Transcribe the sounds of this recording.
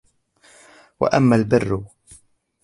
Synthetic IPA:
wa̰ʔamːaːlbɪrːʊ

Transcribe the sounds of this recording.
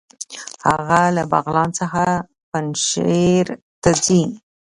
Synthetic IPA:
haɣalabɑ̰ɣlɑnt͡səxa | panʃeɾ | t̪azi

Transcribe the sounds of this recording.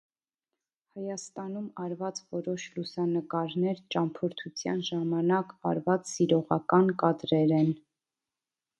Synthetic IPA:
hɑjɑst̪ɑnumɑɾvɑt͡svɔɾɔʃlusɑnəkɑɾnɛɾt͡ʃɑmpʰɔɾt̪ʰut͡sʰjɑ̰nʒɑmɑnɑkɑ̰ɾvɑt͡ssiɾɔʁɑkɑnkɑd̪ɾɛɾɛn

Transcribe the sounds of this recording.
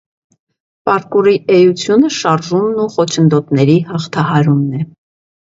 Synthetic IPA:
pɑɾkuriʔɛjut͡sʰjunəʃɑɾʒumnuχɔt͡ʃʰənd̪ɔt̪nɛɾihɑχt̪ʰɑɦɑɾumnɛ

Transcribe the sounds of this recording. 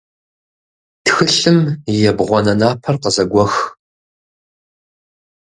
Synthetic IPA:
txɨɬɨmjɛbʁʷɔnɐnaːpʰɐrqəzɐɡʷɔx

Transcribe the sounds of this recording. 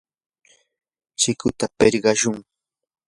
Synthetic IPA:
t͡ʃɪkʊt̪apeɾɢɑʃʊŋ

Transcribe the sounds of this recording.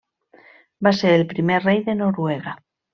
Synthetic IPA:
baseɾelpɾimerrejðe̞no̞ɾweɣ̞a

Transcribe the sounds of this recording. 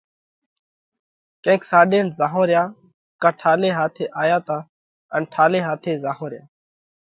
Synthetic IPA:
kẽːksaːɗeːnzaːɦõːɾɪjaː | kaːʈʰaːleːɦaːt̪ʰeːʔaːjaːt̪aː | ənʈʰaːleːɦaːt̪ʰeːzaːɦõːɾɪjaː

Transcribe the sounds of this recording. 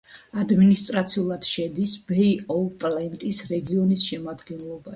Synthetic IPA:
ad̪minist̪ʼɾat̪sʰiulˠad̪̥ʃɛd̪isbɛiɔpʼlɛnt̪ʼisɾɛɡiɔnisʃɛmad̪ɡɛnlˠɔba

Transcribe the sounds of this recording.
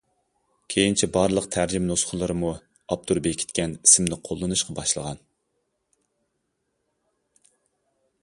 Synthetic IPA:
kʲʰejint͡ʃʰɛbɑɾlˠəq̚t̪ʰæɾd͡ʒimnosχʰʊlˠɨɾɨmu | ɑp̚t̪ʰuɾbekʲʰi̥t̪kʲɛnisɪmnɪqʰolˠːɨnuʃqʰɑbɑʃlˠəʁɑn

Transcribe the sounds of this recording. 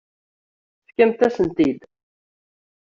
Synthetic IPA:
fkæmt̪æsənt̪id̪

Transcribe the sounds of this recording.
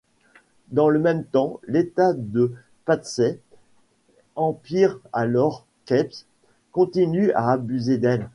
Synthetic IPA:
d̪ɑ̃ləmɛmt̪ɑ̃let̪ad̪ə | pat̪sɛ | ɑ̃piʁalɔʁ | kɛps | kɔ̃t̪inya̰ːbyzed̪ɛl

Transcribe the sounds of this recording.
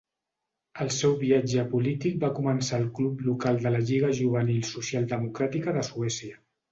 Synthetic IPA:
əlˠsɛwβiad͡ʒəpulit̪ik̚bakumənsaːlˠkluplukalˠd̪ələʎiɣ̞əʒuβ̞ənilˠsusialˠd̪əmukɾat̪ikəðəsuɛsiə

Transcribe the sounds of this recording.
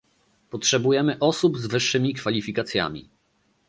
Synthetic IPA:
pɔtʂɛbujɛmɘʔɔsubzvɘʂːɘmʲikfalʲifʲikat̪sʲja̰mʲḭ

